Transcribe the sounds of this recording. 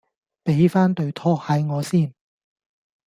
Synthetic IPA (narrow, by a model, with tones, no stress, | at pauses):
pe˨˥jfaː˥nt̪ɵ˧ɥt̪ʰɔː˥khɐ˨˥jŋɔː˨˧siː˥˩n